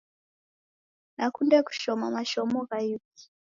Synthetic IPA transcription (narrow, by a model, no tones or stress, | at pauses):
nakundeku̥ʃomamaʃomokajiki̥